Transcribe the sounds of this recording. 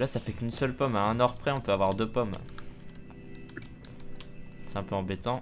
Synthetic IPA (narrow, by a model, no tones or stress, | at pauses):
lasafɛkʲynsœlpɔmaɛ̃nɔʁpχɛɔ̃pøavwaʁd̪øpɔm | sɛ̃pɑ̃bɛt̪ɑ̃